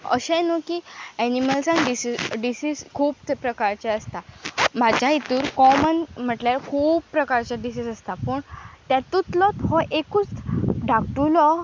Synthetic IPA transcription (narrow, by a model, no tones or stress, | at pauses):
ə̰ɕɛ̃nukiːæniməlsãŋkɖisiɖisiskʰuːbpɾəkaɾt͡ɕɛəst̪amad͡ʑʱjait̪uːɾkɔmənm̤əʈljaɾkʰuːbpːɾəkaɾt͡ɕaɖisid͡zəst̪apəɳt̪jat̪ut̪lɔt̪ɦɔʔekut͡sɖak̚ʈulɔ